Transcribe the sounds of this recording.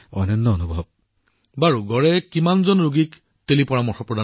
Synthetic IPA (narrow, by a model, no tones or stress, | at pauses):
ɔ̰jnɔnːɔːnubʱɔb̚ | baɹuɡɔɹɛkimanzɔnɹuɡik | telipɔɹamɔɹxɔpɹɔda